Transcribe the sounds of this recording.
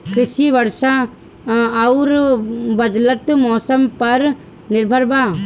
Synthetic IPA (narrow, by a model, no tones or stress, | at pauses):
kʰɪʃibɐɾʃaː | ʊɾbɐd̪lət̪mɔːsəmpɐɾ | nɪɾbʱəɾba